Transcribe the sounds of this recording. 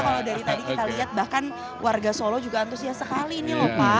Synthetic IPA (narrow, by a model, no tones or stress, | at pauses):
kaladaɾit̪adikit̪aliɦat̪̚bahkan | wʔarɡasolɔd͡ʒuɡaːnt̪ʊsiasəkalinilɔpa